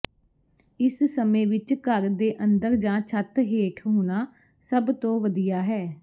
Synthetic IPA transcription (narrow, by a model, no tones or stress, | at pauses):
ɪssəmẽːʋɪt͡ʃkəɾd̪eːʔənd̪əɾd͡ʒãːt͡ʃʰət̪ɦeːʈʰɦoːnaː | səbt̪õːʋəd̪ijaːɦɛː